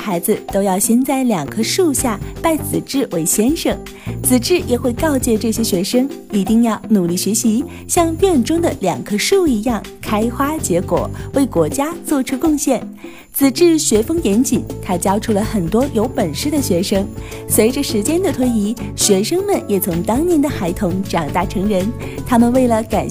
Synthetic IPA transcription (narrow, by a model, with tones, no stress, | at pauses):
xa˧˥ɪd͡zɹ̩˧t̪o˥ʊjɑ˥˩ʊɕjɛ˥nt͡sa˥˩ɪljɑ˨˩ŋɡə˥ʂu˥˧ɕja˥˧pa˥˩ɪt͡sɹ̩˨˩ʈ͡ʂɻ̩˥˩we˧˥ɪɕjɛ˥nʂɤ˨˩ŋ | t͡sʰɹ̩˨˩ʈ͡ʂɻ̩˥˩jʔɛ˨˩xwe˥˧ɪkɑ˥˧ʊt͡ɕjɛ˥˧ʈ͡ʂɤ˥˩ɕjɛ˥ɕɥɛ˧˥ʂɤ˥ŋi˧˥t̪i˥˧ŋjɑ˥˩ʊnu˨˩li˥˩ɕɥɛ˧˥ɕi˧˥ | ɕjɑ˥˧ŋpjɛ˥˩nʈ͡ʂʊ˥ŋd̪ə˨˩ljɑ̰˨˩ŋɡə˦ʂu˥˩i˧˥jɑ˥˩ŋkʰa˥ɪxwa˥t͡ɕjɛ˧˥kwɔ̰˨˩˦we˥˩ɪkwɔ˧˥t͡ɕja˥t͡swɔ˥˩ʈ͡ʂʰu˥kʊ˥˧ŋɕjɛ˥˩n | t͡sʰɹ̩˨˩ʈ͡ʂɻ̩˥˩ɕɥɛ˧˥fɤ˥ŋjɛ˧˥nt͡ɕi˨˩˦nt̪ʰa˥t͡ɕjɑ˥ʊʈ͡ʂʰu˥˩lə˩xə˨˩nt̪wɔ˥jo˧˥ʊpə˨˩nʂɻ̩˥˩d̪ə˨ɕɥɛ˧˥ʂɤ˥ŋ | swe˧˥ʈ͡ʂə˥˧ʂɻ̩˧˥t͡ɕjɛ˥nd̪ə˨t̪ʰwe˥ɪi˧˥ɕɥɛ˧˥ʂɤ˥ŋmə˨njɛ˨˩t͡sʰʊ˧˥ŋt̪ɑ˥ŋnjɛ˧˥nd̪ə˨xa˧˥ɪt̪ʰʊ˧˥ŋʈ͡ʂɑ˨˩ŋt̪a˥˩ʈ͡ʂʰɤ˧˥ŋɻə˧˥n | t̪ʰa˥mə˨nwe˥˩ɪlə˩ka˨˩